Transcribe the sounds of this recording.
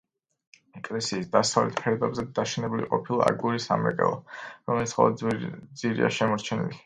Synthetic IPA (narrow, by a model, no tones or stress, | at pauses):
ɛkʼlɛsiːsd̪asavlɛt̪ʰpʰɛɾɔd̪ɛbzɛd̪aʃɛnɛbulḭqʼɔpʰilˠaaɡuɾisamɾɛkʼɛ̰lˠaɾɔmɛlit̪sʰχʰɔ̰d̪d̪ziɾḭa̰ʃɛmɔɾt͡ʃʰɛnḭli